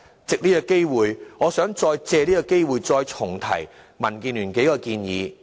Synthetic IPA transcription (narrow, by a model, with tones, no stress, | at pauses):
t͡sɪ˨k̚niː˥kɔ˧ke˥jwuː˨jŋɔː˨˧sœː˨˥ŋt͡sɔː˧jt͡sɛː˧liː˥kɔ˧ke˥jwuː˨jt͡sɔː˧jt͡sʰʊ˨˩ŋt̪ʰɐ̰˨˩j | mɐ˨˩nkiː˧nlyː˨˩nke˨˥jkɔː˧kiː˧njḭː˨˧